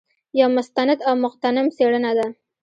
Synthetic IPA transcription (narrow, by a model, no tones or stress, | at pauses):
jɑmʊst̪anad̪awmʊqt̪anɪmseɽənad̪a